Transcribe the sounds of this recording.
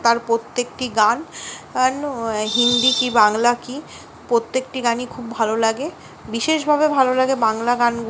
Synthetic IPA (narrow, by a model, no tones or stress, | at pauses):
t̪aɾpɾot̪ːek̚ʈiɡananɦind̪ikibaŋlaki | pɾot̪ːek̚ʈiɡanikʰubːʱalolaɡe | biʃeʃbʱabebʱalolaɡebaŋlaɡanɡ